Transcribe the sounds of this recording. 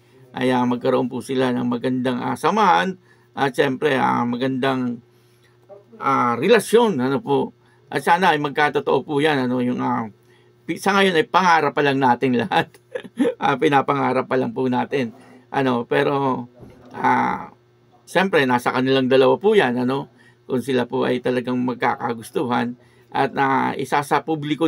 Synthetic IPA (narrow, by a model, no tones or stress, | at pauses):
ʔɐ̰jamɐɡ̚kɐɾoʔo̞npusɪlanɐŋmɐɡɐnd̪aŋʔa̰sɐmahan | ʔɐt̪̚ʃɛmpɾɛʔa̰mɐɡɐnd̪aŋ | ʔaːɾɛlɐsjo̞nɐnopoʔ | ʔɐ̰t̪̚saːnɐɐjmɐɡ̚kaːt̪ot̪oʔo̞pujanɐno̞jʊŋa | pɪsɐŋɐjo̞nɐjpɐŋaːɾɐpːɐlaŋnaːt̪ɪnlɐ̰hat̪̚ | ʔapɪnaːpɐŋaːɾɐpːɐlaŋpʊnaːt̪ɪn | ʔɐ̰no̞pɛːɾo̞ʔa̰ | ʃɛmpɾɛnaːsɐkɐnɪlaŋd̪ɐlɐwapujanɐno̞ | kʊŋsɪlapoʔɐ̰jt̪ɐlɐɡaŋmɐɡ̚ka̰ːka̰ɡʊst̪uːhɐn | ʔɐ̰t̪̚aʔɪ̰sasɐpublɪko